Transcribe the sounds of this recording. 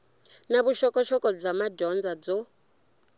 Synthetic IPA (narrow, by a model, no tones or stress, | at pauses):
naβuʃɔkʼɔʃɔkʼɔb͡ʐamaɟɔnd͡zad͡zɔ